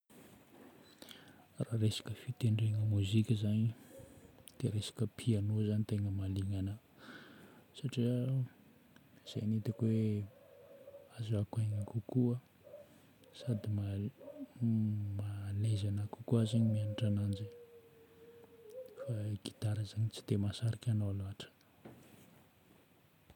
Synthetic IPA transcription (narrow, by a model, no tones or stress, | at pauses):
raːɾesḁkəfit̪eɳɖ͡ʐeŋəmuzikʲəzani | d̪̥eɾesḁkəpʰianozanit̪eŋəmaliŋanə | saʈ͡ʂiə | iz̥ḛjnit̪akwe | azakaɲakukuə | sad̪ima | malezanakukuazeɲimianaʈ͡ʂanand͡ʒe | faɡi̥t̪aɾəzaɲit͡si̥t̪emasaɾikʲanoaloaʈ͡ʂə̥